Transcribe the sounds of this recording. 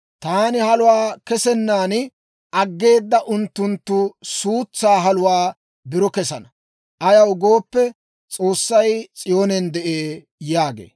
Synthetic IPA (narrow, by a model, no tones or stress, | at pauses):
t̪aːnɪhɐlʊwaːkɛsɛnːaːnɪ | ɐɡːe̞ːd̪ːɐʔʊnt̪ːʊnt̪ːʊsuːt͡sːaːɦɐlʊwaː | bɪɾɔkɛsɐnɐ | ʔɐjɐwɡo̞ːpːɛ | t͡sʼo̞ːsːɐjt͡sʼɪjoːnɛnd̪ɛʔeː | jaːɡḛː